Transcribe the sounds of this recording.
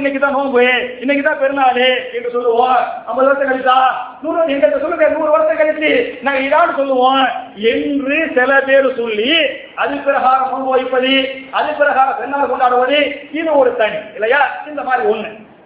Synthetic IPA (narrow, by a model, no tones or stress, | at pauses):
ɪnːɛkːɪt̪ːãːnoːŋɡɯeɪnːɛkːɪt̪ːãːpɛɾɯnaːlɯɛndrɯsɔlːɯʋõːnɐmbɐɾɯʋɐɾɐsɐ̃kɐlɪt̪ːãːnuːɾɛndɐnd̪ɐsɔlːɯkeːnuːɾɯʋɐɾɐsɐ̃kɐɭɪt̪ːinãːŋɡɐɪðaːnːɯsɔlːɯʋõːɛndrisɪlɐpeːɾɯsɔɭːi | ɐðɯpɪɾɐɣaːɣɐmʊɽboːɪpːɐðiɐðɯpɪɾɐɣaːɣɐpɛnːaːlɐkɔɳɖaːɽɐʋɐðɯɪðɯɔɾɯt̪ɐɳiɪlːɐjaːɪnd̪ɐmaːd̪ɾiɔnːɯ